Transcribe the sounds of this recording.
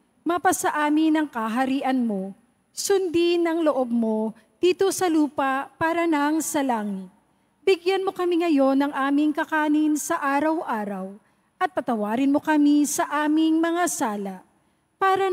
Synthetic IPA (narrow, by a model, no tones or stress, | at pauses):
mɐpɐsɐʔaːmɪnɐŋkɐɦɐɾiːʔɐnmo̞ | sʊnd̪inɐŋloʔob̚mo̞ | d̪̥iːt̪o̞sɐluːpɐpaːɾɐnɐŋsɐlaːŋɪt̪̚ | bɪɡjanmo̞kɐmiŋɐjo̞nːɐŋʔaːmɪŋkɐkaːnɪnsɐʔaːɾɐwʔaːɾɐw | ʔɐt̪̚pɐt̪ɐwaːɾɪnmo̞kɐmisɐʔaːmɪŋmɐŋasaːlɐʔ | paːɾɐ